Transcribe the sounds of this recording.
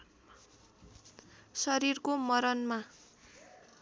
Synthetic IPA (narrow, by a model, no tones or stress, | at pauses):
sʌɾirkomʌɾʌnma